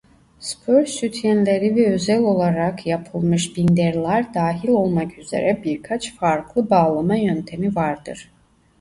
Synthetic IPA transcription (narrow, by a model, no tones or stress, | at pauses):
spʰøɾsyt̪ʰjænlʲeɾivɛøzælʲo̞lˠaɾakʰjapʰɯlˠmɯʃbind̪ɛɾlʲˠæɾd̪aːɦilʲo̞lˠmakyze̞̰ɾɛbiɾkʰat͡ʃfaɾkʰlˠɯbaːlˠamajønt̪ʰe̞mivaɾd̪ɯ̰ɾ̥